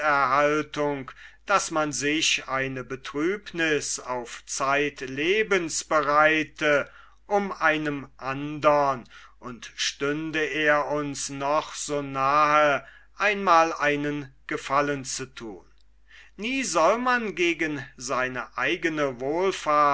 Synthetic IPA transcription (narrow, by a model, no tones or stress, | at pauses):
ɛɐɦaltʊŋkd̥asmanzɪʃaɪnəbətʁ̥yːpnɪsaʊft͡saɪtleːbənsb̥əʁaɪtʰə | ʔʊmʔaɪnəmʔandɐnʔʊntʃtʏndəeːɐʊnsnɔχz̥oːnaːɦə | ʔaɪnmaːlaɪnənɡ̥əfalənt͡sutʰṵːnː | iːzɔlmanɡeːɡənzaɪnəʔaɪɡənəvoːlfaɐ